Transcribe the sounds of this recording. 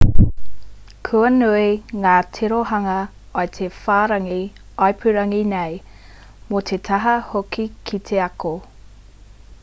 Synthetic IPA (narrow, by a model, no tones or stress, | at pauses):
kʰuɐnuiŋaːt̪ʰeɾoɦɐŋɐɐet̪ʰefaːɾɐŋi | ɐjpʰʉɾɐŋinej | mot̪ʰet̪ʰɐɦɐhokikʰit̪ʰeɐko